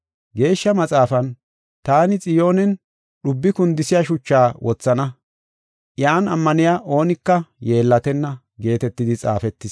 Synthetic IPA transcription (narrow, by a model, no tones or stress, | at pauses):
ɡe̞ːʃːɐmɐt͡sʼaːfɐn | t̪aːnɪt͡sʼɪjo̞ːnɛn | ɗʊbːɪkʊnd̪ɪsɪjaʃʊt͡ʃːaːwʔɔt͡sːɐnɐ | ʔɪjaːnɐmːɐnɪjaːʔo̞ːnɪkːɐje̞ːlːɐt̪ɛnːɐ | ɡe̞ːt̪ɛt̪ːɪd̪ɪt͡sʼa̰ːfɛt̪ːɪs